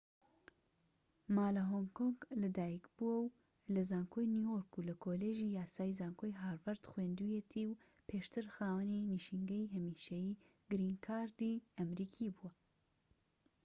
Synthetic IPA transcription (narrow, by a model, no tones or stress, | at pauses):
maːlɐɦoŋkoŋɡlɐd̪aːjikb̥uwɐw | lɐzaːŋkʰoːjnjujoɾkulɐkʰoleʒiːjaːsaːjizaːŋkʰojɦaːɾvɐɾt̪xweːnd̪ujet̪ʰiːw | pʰeːʃt̪ʰɨɾxaːwɐniniʃiŋɡɐjɦɐmiːʃɐjiː | ɡ̥ɨɾiːŋkʰaːɾd̪iɐmɾiːkʰibuɐ